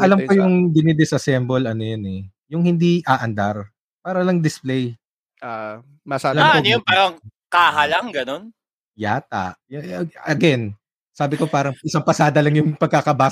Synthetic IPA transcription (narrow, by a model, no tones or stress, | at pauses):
ʔɐlɐmkojʊŋd̪ɪnɛd̪ɪsʔɐsɛmbolɐnojonɛ | jʊŋhɪnd̪iʔaːʔɐnd̪aɾ | paːɾɐlɐŋd̪ɪsplɛj | a | mɐsalɐmojonpaːɾɐŋkaːɦɐlɐŋɡɐnon | ja̰ːt̪a̰ʔjɐɡɛn | saːbɪko̞paːɾɐŋʔɪsɐŋpɐsaːd̪ɐlɐŋjʊŋpɐɡ̚kakɐbaː